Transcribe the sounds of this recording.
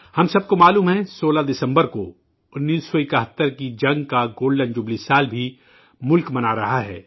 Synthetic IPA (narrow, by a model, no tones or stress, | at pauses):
hɐmsɐb̚komaːluːmɦɛ̃soːlad̪ɪsə̃mbəɾko | ʊnːiːsːoɪkəɦət̪ːəɾkid͡ʒɐ̃ŋɡkaɡoːɽɖə̃nɖd͡ʒʊblisaːlbʱi | mʊlkmɐnaːɾɐɦaɦɛ̰ː